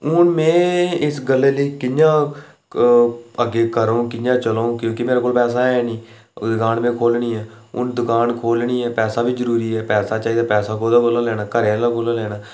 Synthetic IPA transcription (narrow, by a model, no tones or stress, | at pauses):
ʊnmẽːɪsɡəlːeːləiːkɪjãː | əɡeːkəɾõːkɪjãːt͡ʃəlõːkjõːkimeːɾekoːlpɛːs̬aːɦɛːniː | d̪ʊkaːnmẽːkʰoːlniːɦɛː | ʊ̰nd̪ʊkaːnkʰoːlniːɦɛːpɛːsaːbʱiːzəɾuːɾiːɦɛːpɛːsaːt͡ʃaːiːd̪aːpɛːsaːkoːd̪aːkʰoːlaːlɛːnaːkəɾelaːkʰoːlaːlɛːnaː